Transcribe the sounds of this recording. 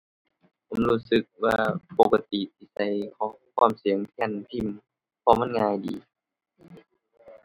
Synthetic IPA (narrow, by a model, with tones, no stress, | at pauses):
pʰo˨˦mluː˧˩sɯ˧˦k̚waː˧˩po˧ka˧t̪i˨t̪ʰiː˧˩sa˧˦jkʰɔː˨˦ŋkʰwaː˧˩˨msi˨˦əŋt̪ʰɛ˧˨nt̪ʰi˧˥˩m | pʰɔː˧ma˧˥˨ŋaː˧jdḭː˨˦